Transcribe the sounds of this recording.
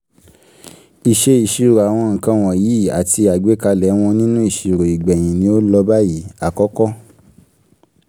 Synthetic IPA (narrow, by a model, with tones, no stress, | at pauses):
i˨ʃe˧˦i˨ʃi˧ɾo˨a˨w̃ɔ̃˧ŋ̩˨kã˧w̃ɔ̃˨ji˨˦˨a˨ti˧a˨ɡ͡be˨˦ka˧lɛ˨˦w̃ɔ̃˧nĩ˦nũ˦i˦˨ʃi˨ɾo˨i˨ɡ͡bɛ˨j̃ĩ˨nĩ˧˦o˦lɔ˧ba˦ji˨˦a˦˨kɔ˦kɔ˦